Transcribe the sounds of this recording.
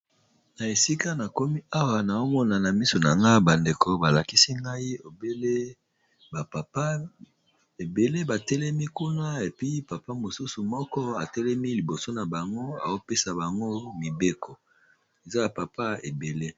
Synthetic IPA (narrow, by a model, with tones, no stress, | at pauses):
na˨e˨si˦ka˦na˨ko˦mi˦a˦wa˨na˨o˦mɔ˦na˨na˨mi˦so˨na˨ŋɡa˦i˦ba˨nde˨ko˨ba˨la˨ki˦si˦ŋɡa˦i˦o˨be˦le˦ | ba˨pa˨pa˦ | e˨be˨le˦ba˨tɛ˦lɛ˦mi˦ku˦na˦e˨pi˦pa˨pa˦mo˨su˦su˨mɔ˦kɔ˦a˨tɛ˦lɛ˦mi˦li˨bo˨so˦na˨ba˨ŋɡo˦a̰˨o˦pe˦sa˨ba˨ŋɡo˦mi˨be˦kɔ˨ | e˨za˦a˨pa˨pa˦e˨be˨le˦